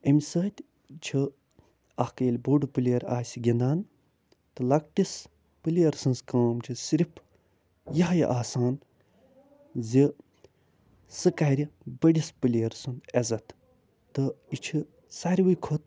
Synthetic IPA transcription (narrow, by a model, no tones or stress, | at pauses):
emʲsəːt̪ʲ | t͡ʃʰi | ɐhkɐjlʲbuɖupɨlʲeːɾa̰ːsʲiɡʲind̪aːn | t̪ɨlɐk̚ʈis | pɨliɐɾsɨ̃nskaːmt͡ʃʰisiɾʲipʰ | jɐɦjḭʔaːsaːn | zi | sɨkaɾʲibəɽispɨlʲijɾsund̪ezɐt̪ | t̪ɨit͡ʃʰi | saɾʲwɨjkʰot̪̚